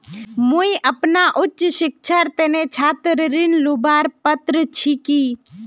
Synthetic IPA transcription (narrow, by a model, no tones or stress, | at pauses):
mũiʔəpnaʔʊtːt͡ʃʃɪkʃʰaɾt̪eːnet͡ʃʰaːt̪ɾəɾinlubaːɾpət̪ɾət͡ʃʰiki